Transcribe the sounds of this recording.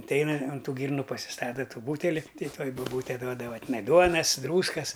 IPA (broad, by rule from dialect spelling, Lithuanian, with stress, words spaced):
ɐtʲˈɛɪnɐ ʊn ˈtuː ˈɡʲiːrnʊ pɐsʲɪˈstɑːtɐ ˈtuː ˈbuːtʲɛlʲɪ ˈtɐɪ ˈtuɔj bʊˈbuːtʲɛ ˈduɔdɐʋɐ tʲɪˈnɐɪ ˈduɔnɐs ˈdruːskɐs